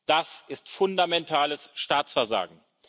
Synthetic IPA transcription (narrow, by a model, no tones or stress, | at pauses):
d̥asɪstfʊndamɛntʰaːləsʃtaːt͡sfɛɐza̰ːɡŋ̩